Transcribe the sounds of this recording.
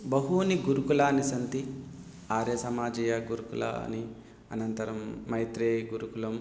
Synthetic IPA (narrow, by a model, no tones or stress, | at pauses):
bɐɦuniɡuɾukulaːnisɐnt̪i | aːɾeːsɐmaːd͡ʒɐːjɐɡuɾukula̰ːni | ɐ̰nɐnt̪ɐɾɐmːɐjt̪ɾeːɡuɾukulɐm